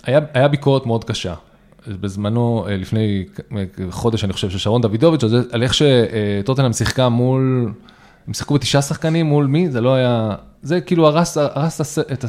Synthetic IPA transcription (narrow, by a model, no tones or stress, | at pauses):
ajaajabiko̞etme̞o̞d̪kaʃa̰ | bezmano̞elifne̞j | χo̞d̪e̞ʃaniχo̞ʃevʃeʃaʁo̞nd̪avid̪ovit͡ʃalzeʔale̞χʃe̞t̪o̞t̪enamsiχkamul | emsi̥χkubetiʃasaχkanimːulmizelo̞aja | zekiːluaʁasaʁastaseet̪a